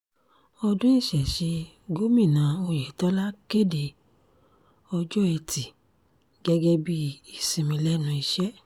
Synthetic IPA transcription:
ɔ˧dũ˦i˦˨ʃɛ˨ʃe˧ | ɡo˦mĩ˦˨nãː˨˦o˧jɛ˨tɔ˦la˦ke˦˨de˨ | ɔ˧d͡ʒɔ˦ɛ˧ti˨ | ɡ̥ɛ˦ɡɛ˦bi˦˨i˨sĩ˨˧mĩ˧lɛ˦nũ˧i˧ʃɛ˦

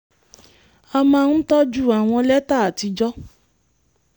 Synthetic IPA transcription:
a˧mã˧n̩˦tɔ˦d͡ʒu˦˨a˨w̃ɔ̃˧lɛ˦ta˦˨a˨ti˧d͡ʒɔ˦

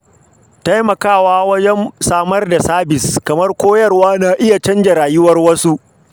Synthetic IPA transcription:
ta˦jmɐ˨kaː˦˨waː˦wɐ˦d͡ʒɛ˦msaː˦mɐ˦rda˨saː˦bɪ˨skɐ˨mɐ˦rkʷoː˦jɐ˦˨rwaː˦naː˨ʔɪ˦ja˨t͡ʃɐ˦nd͡ʒɐ˨ɾaː˨jʊ˦wɐ˦rwɐ˦su˦ʔ

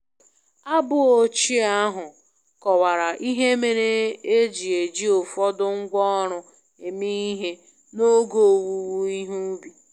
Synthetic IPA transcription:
a˦bʊ˦o˨t͡ʃi˦a˦ɦʊ˨ | kɔ˨wa˨ɾa˨ʔi˦ɦe˦me˨ɾe˦e˦d͡ʒi˨e˨d͡ʒi˦o˨fɔ˦dʊ˦ŋ̩˦ɡʷɔ˦ɾʊ˦ | e˨mi˦i˦ɦe˦ | no˦ɡo˦˨wu˨wu˦i˦ɦu˦bi˨

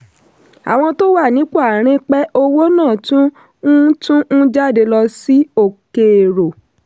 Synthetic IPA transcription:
a̰˨w̃ɔ̃˧to˦wa˦˨nĩ˨˦k͡pa˦˨ɾ̃ĩ˧k͡pɛ˦ʔo˧wo˦nãː˦˨tũ˦ | ũ˦tũ˦ũ˦d͡ʒa˦˨de˧lɔ˧si˨˦o˦˨ke˨ɾo˨

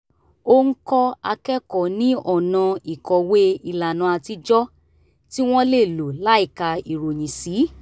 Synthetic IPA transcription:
o˧ŋ̩˦kɔ˦a˧kɛ˦kɔ˨nĩ˦ʔɔ˦˨nã˧i˨kɔ˨we˦i˧la˨nã˨˧a˧ti˧d͡ʒɔ˦ | ti˦w̃ɔ̃˦le˦˨lu˨la˦i˦˨ka˧i˨ɾo˨j̃ĩ˨si˨˦

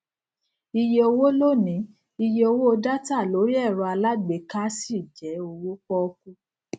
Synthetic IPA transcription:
i˧je˧o˧wo˦lo˦˨nĩ˨˦ | i˧je˧o˧wo˦o˧da˦ta˦˨lo˨˦ɾi˦ɛ˦˨ɾɔ˧a˧la˦ɡ͡be˨˦ka˦si˦˨d͡ʒɛ˨˦o˧wo˦k͡pɔ˦˧ku˦

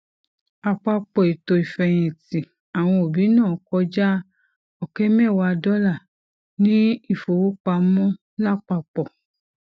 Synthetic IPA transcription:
a˧k͡pa˧k͡pɔ˨i˨to˧i˨fɛ˧j̃ĩ˨ti˨ | a˨w̃ɔ̃˧o˨bi˨˦nãː˦˨kɔ˧˦d͡ʒa˦ | ɔ˨kɛ˦mɛ̃˦˨wa˧dɔ˦la˦˨ | nĩ˦i˦˨fo˨wo˦k͡pa˧mɔ̃˦ | la˦˨k͡pa˧k͡pɔ˨

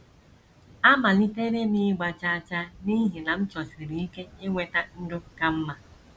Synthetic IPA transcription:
a˦ma˨li˦te˦ɾe˦ni˦ɡ͡ba˨t͡ʃa˦˨t͡ʃa˦ni˦ɦi˨na˨m̩˦t͡ʃɔ˨si˨ɾi˨i˦ke˦e˦ŋʷe˦ta˦n̩˦dʊ˦ka˦m̩˦ma˨

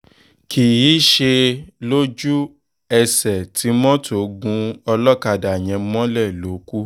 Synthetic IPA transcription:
kʰi˨ji˨˦ʃe˧lo˦d͡ʒu˦ | ɛ˧sɛ˨tʰi˨˦mɔ̃˦to˨ɡũ˦ɔ˧lɔ˦ka˧˨da˨j̃ɛ̃˨˧˦mɔ̃˦lɛ˦˨lo˨˦ku˦

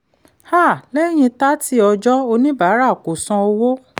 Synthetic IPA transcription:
ha˦˨lɛ˦j̃ĩ˧ta˦ti˦ɔ˧d͡ʒɔ˦o˧nĩ˦ba˨˦ɾa˦˨ko˨sã˧o˧wo˦

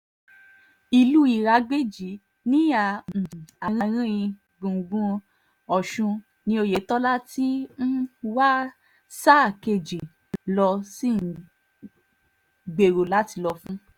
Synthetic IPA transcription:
i˧lu˦i˦˨ɾa˧ɡ͡be˦˨d͡ʒi˨˦ | nĩ˦ã˨a˨ɾ̃ã˧ɾ̃ĩ˦ĩ˧ | ɡũ˨ɡũ˦ | ɔ˨ʃũ˧ | nĩ˧o˧je˨˦tɔ˦la˦ti˦n̩˦wa˦ | sa˦˨ke˧˨d͡ʒi˨ | lɔ˧si˦˨ | ɡ͡be˨ɾo˨la˦ti˧lɔ˧fũ˦

